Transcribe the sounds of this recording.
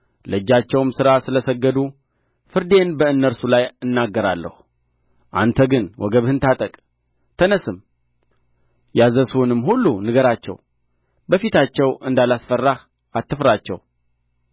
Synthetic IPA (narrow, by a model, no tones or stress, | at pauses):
ləd͡ʒːat͡ʃːɛwmsɨɾasɨləsəɡːəd̪u | fɨɾd̪e̞nbəɨnːəɾsulajɨnːaɡːəɾa̰lːə̰hu | ʔa̰nt̪ʰəɡɨnwʔɔ̰ɡəβhɨnt̪ʰat̪ʼəkʼ | t̪ʰənəsɨm | jazəsunɨmɦulːunɨɡəɾat͡ʃːɛ̰w | bəfit̪ʰat͡ʃːɛwʔɨnd̪alasfərːah | ʔat̪ʰːɨfɾat͡ʃːɛ̰w